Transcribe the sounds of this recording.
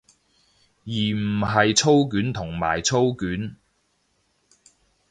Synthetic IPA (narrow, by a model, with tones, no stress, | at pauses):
jiː˨˩m̩˨˩ɦɐ˨jt͡sʰo˥wk̬yː˨˥nt̪ʰʊ˨˩ŋma̰ː˨˩jt͡sʰo˥wkyː˨˥n